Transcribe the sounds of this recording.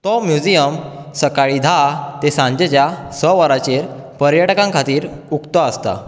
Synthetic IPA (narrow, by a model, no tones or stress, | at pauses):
t̪ɔmjud͡ʑijəmsəkaɭid̪ʱat̪esãɲd͡ʑet͡ɕjasəʋəɾat͡ɕeɾpəɾjaʈkãŋkʰat̪iːɾ | ukt̪əəst̪a̰